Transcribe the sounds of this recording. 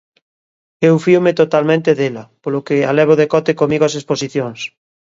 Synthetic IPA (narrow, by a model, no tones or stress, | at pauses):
ewfiomet̪ot̪almẽnt̪eðelɐpolokealɛβ̞oðekɔt̪ekomiɣoasesposiθjoŋs